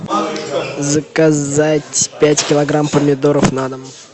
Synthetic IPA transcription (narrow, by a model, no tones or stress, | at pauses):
zəkazatʲpʲætʲkʲɪlˠɐɡɾampəmʲɪd̪oɾəfnad̪ə